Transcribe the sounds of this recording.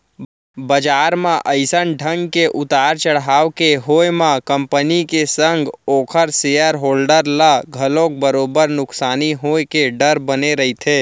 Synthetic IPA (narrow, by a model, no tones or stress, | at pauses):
bəd͡ʒaːɾmãʔəɪsənɖʱə̃ŋɡkeʔʊt̪aːɾt͡ʃəɽɦaːʋkeɦoːjmãkə̃mpənikesə̃ŋɡoːkʰəɾsejəɾɦoːlɖəɾlaɡʱəlõk̚bəɾoːbəɾnʊksaːniɦoːekeɖəɾbəneɾəit̪ʰeː